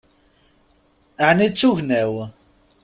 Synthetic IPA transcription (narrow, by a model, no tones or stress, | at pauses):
aʕnit͡sːuʝnæw